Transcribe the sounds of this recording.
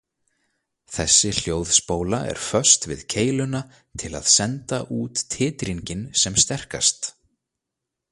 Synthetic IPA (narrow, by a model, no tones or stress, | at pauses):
θɛsːɪl̥joːwðspoːwlaɛ̰ɾ̥fœ̥st̪vɪ̰ðcʰeːjlʏna | t̪ʰɪla̰ðsɛnt̪aʔuːt̪ʰːɪːt̪ɾiɲcɪnsɛmst̪ɛr̥ka̰st̪